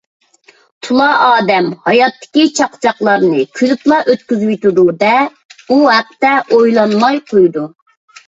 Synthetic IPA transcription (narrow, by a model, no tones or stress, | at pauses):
t̪ʰulˠɑʔɑːd̪ɛmhɑjɑt̪ʰːɪ̥kʲit͡ʃʰɑqt͡ʃʰɑqlˠɑɾnɨkʲʰylyplˠɑʔøt̪kʲyzyt̪ud̪ud̪ɛ | uɦɛq̚t̪ɛʔojlˠɑnmɑjqʰojd̪u